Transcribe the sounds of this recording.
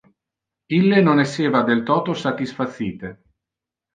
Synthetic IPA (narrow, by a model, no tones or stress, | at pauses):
ilːenonɛsːeːvad̪elt̪ɔːt̪osat̪isfat̪sːiːt̪e